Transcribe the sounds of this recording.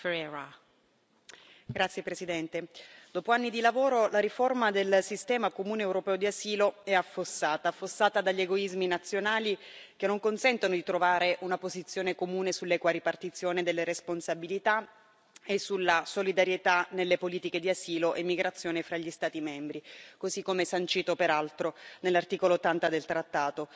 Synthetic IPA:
fɾɛɾa | ɡɾat̪sːjepɾesid̪ɛnt̪ed̪̥oːpoanːid̪ilavoːɾolaɾiformad̪elsist̪ɛːmakomuːneːwɾopɛːod̪iaziːloɛafːosːaːt̪aːfːosːaːt̪ad̪aʎːeɡoizminat̪sːjonaːlik̟enːoŋkonsɛnt̪onod̪it̪ɾovaːɾeʔunapozit̪sːjoːnekomuːnesulːɛkwaɾipart̪it̪sːjoːned̪elːeɾesponsabilit̪a | esulːasolid̪aɾjet̪anelːepoliːt̪iked̪iaziːloʔemːiɡɾat̪sːjoːnefɾaʎːist̪aːt̪imɛmbɾikozikːomɛsant͡ʃiːt̪opeɾalt̪ɾonelːart̪iːkoloːt̪ːant̪ad̪elt̪ɾat̪ːaːt̪o

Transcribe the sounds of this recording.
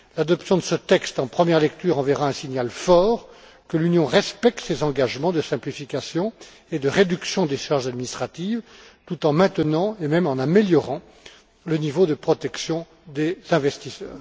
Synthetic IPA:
lad̪ɔpsjɔ̃d̪əsət̪ɛkst̪ɑ̃pχəmjɛʁlɛk̚t̪yʁɑ̃vɛʁaɛ̃siɲjalfɔːʁ | kəlynjɔ̃ʁɛspɛk̚t̪sezɑ̃ɡaʒmɑ̃d̪əsɛ̃plifikasjɔ̃ | ed̪əʁed̪yksjɔ̃d̪eʃaʁʒad̪minist̪χat̪ivt̪ut̪ɑ̃mɛ̃t̪ənɑ̃emɛmɑ̃nameljɔʁɑ̃ | lənivod̪əpχɔt̪ɛksjɔ̃ | d̪ezɛ̃vɛst̪isœ̰ːʁ

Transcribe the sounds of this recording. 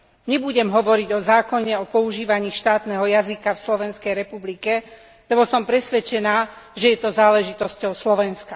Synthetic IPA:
ɲɛbuɟɛmɦɔʋɔɾiɟɔzaːkɔɲɛɔpɔuʒiːʋaɲiːʃt̪aːt̪nɛɦɔjazikafslɔʋɛnskɛjɾɛpublikɛ | lɛbɔsɔmpɾɛsʋɛt͡ʃɛnaːʒɛjɛt̪ɔzaːlɛʒit̪ɔscɔʊslɔʋɛnska

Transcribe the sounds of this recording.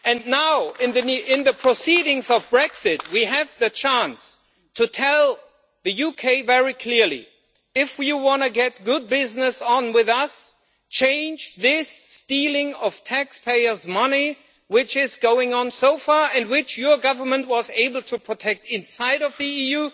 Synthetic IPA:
ɨ̃nnaʊɪ̃nðɨnɪ̃nðɨpʰɹ̥əsiɾɪ̃ŋzʌvbɹɛksɪt̚wiɨvðɨt͡ʃʰæ̃ns | tʰɨtʰɛlˠ | ðɨjukʰeɪvɛɹikʰl̥ɪɹlḭ | ɪfwiwɑ̃nɨɡɛt̚ɡ̥ʊd̚bɪznɨsn̩wɪðʌs | t͡ʃʰẽɪ̃nd͡ʒðɪsːtilˠɪ̃ŋʌv̥tʰækspʰeɪə˞zmʌni | wɪt͡ʃɪzɡoʊɪ̃ŋə̃nsoʊfɑɹɨ̃ndwɪt͡ʃjə˞ɡʌvə˞mə̃nt̚wʌzeɪbl̩ˠtʰɨpʰɹ̥ɨtʰɛk̚tɪ̃nsaɪɾʌvðiiju

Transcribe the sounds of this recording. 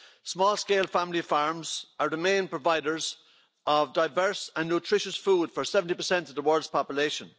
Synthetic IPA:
smɔːlˠskeːlˠfamɪlifaɹmzə˞ɹɪmẽːnpʰɹ̥ovaɪɾə˞z | ʔəvdaɪvɜ˞sə̃nːotʰɹ̥ɪʃəsfuːd̥fə˞sɛvə̃ntipə˞sɛ̃ntʌvðəwɜ˞ldz̥pʰɑpjəleʃə̃n

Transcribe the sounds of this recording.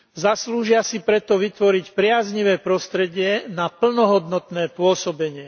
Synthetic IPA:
zasluːʒɪasipɾɛt̪ɔʋit̪ʋɔɾicpɾɪazɲiʋɛːpɾɔst̪ɾɛɟɪɛnapl̩nɔɦɔd̪nɔt̪nɛːpʊɔsɔbɛɲɪɛ

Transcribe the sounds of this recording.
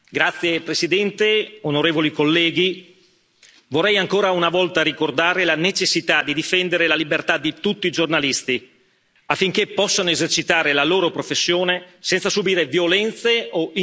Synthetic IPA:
ɡɾat̪sːjepɾesid̪ɛnt̪eonoɾeːvolikolːɛːɡi | vorːɛjaŋkoːɾaunavɔlt̪aɾikord̪aːɾelanet͡ʃesːit̪ad̪id̪ifɛnd̪eɾelalibert̪ad̪it̪ut̪ːiːd͡ʒornalist̪i | afːiŋk̟epːɔsːanoezert͡ʃit̪aːɾelaloːɾopɾofesːjoːnesɛnt̪sasubiːɾevjolɛnt̪seo

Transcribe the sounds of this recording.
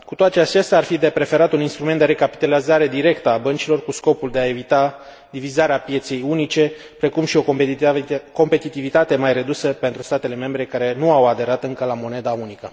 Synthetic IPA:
kut̪oat̪eat͡ʃest̪ʲaːrfid̪e̞pɾe̞fe̞ɾat̪uninst̪ɾument̪d̪eɾekapi̥t̪alizaɾe̞d̪iɾe̞kt̪əabənt͡ʃilo̞rkusko̞puld̪e̞ae̞vit̪a | d̪ivizaɾeapje̞t̪se̞junit͡ʃe̞ | pɾe̞kumʃio̞ | ko̞mpe̞t̪it̪ivit̪at̪e̞majre̞d̪usəpe̞nt̪ɾust̪at̪e̞le̞me̞mbɾe̞kaɾe̞nuawad̪e̞ɾat̪ɨŋkəlamo̞ne̞d̪aunikə

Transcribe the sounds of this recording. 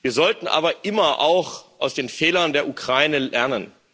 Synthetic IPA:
viːɐzɔltn̩ʔa̰ːbɐʔɪmɐʔaʊxʔaʊsd̥eːnfɛːlɐndeːɐʔukʁ̥aɪnəlɛɐnən

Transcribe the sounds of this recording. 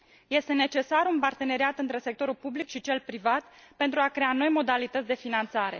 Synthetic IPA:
je̞st̪e̞ne̞t͡ʃe̞saɾunpart̪e̞ne̞ɾiat̪ɨnt̪ɾe̞sek̚t̪o̞ɾulpublikʃit͡ʃe̞lpɾivat̪pe̞nt̪ɾuakɾe̞ano̞jmo̞d̪alit̪ət̪sʲd̪e̞finant̪saɾe̞̰

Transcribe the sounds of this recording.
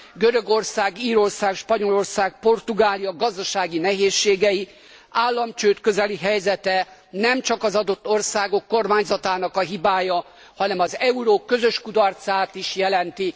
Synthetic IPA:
ɡøɾø̞ɡo̞rsaːɡiːɾo̞rsaːkʃpɒɲo̞lo̞rsaːk̚po̞rt̪uɡaːlijɒɡɒzd̪ɒʃaːɡinɛɦeːʃːeːɡɛji | aːlːɒmt͡ʃøːt̪køzɛliɦɛjzɛt̪ɛnɛmt͡ʃɒkɒzɒd̪o̞t̪ːo̞rsaːɡo̞kːo̞rmaːɲzɒt̪aːnɒkɒɦibaːjɒ | hɒnɛmɒzɛuɾoːkːø̞zø̞ʃkud̪ɒrt̪saːt̪iʃjɛlɛnt̪i

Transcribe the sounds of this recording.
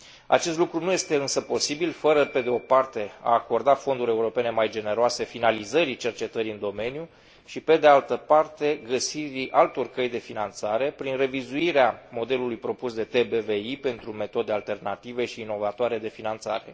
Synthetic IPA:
a̰t͡ʃe̞st̪lukɾunuje̞st̪e̞ɨnsəpo̞sibilfəɾəpe̞d̪eo̞part̪e̞a̰ːko̞rd̪afo̞nd̪uɾʲe̞uɾo̞pe̞ne̞majd͡ʒe̞ne̞ɾoase̞finalizəɾit͡ʃe̞rt͡ʃe̞t̪əɾiɨnd̪o̞me̞nju | ʃipe̞d̪ealt̪əpart̪e̞ɡəsiɾiʔalt̪o̞rkəjd̪e̞finant̪saɾe̞pɾinre̞vizuiɾeamo̞d̪e̞lulujpɾo̞pusd̪e̞t̪e̞beve̞ipe̞nt̪ɾume̞t̪o̞d̪ealt̪e̞rnat̪ive̞ʃiːno̞vat̪oaɾe̞d̪e̞finant̪sa̰ɾe̞̰

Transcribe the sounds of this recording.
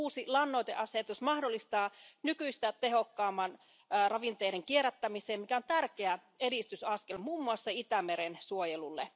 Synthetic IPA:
uːsilɑnːojt̪eʔɑset̪usmɑhdolːist̪ɑːnykyist̪æt̪e̞ɦokːɑːmːɑn | rɑʋint̪eːɾeŋkieɾæt̪ːæmiseːmmikæont̪ærkeæ | eɾist̪ysɑskelmuːmːuɑsːɑit̪æmeɾensuojelulːḛ

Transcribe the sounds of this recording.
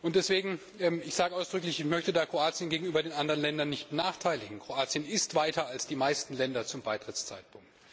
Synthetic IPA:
ʔʊntd̥ɛsv̥eːɡŋ̩ | ɛːmɪçz̥aːɡəʔaʊsd̥ʁʏklɪçɪçmœçtədaːkʁ̥oaːt͡sjənɡeːɡŋ̩ʔyːbɐdeːnʔandəʁənlɛndɐnːɪçtb̥ənaːχtʰaɪlɪɡŋ̩kʁ̥oaːt͡sjənɪstv̥aɪtɐalsd̥iːmaɪstn̩lɛndɐt͡sʊmbaɪtʁ̥ɪt͡st͡sa̰ɪt̚pʰʊŋk̚t

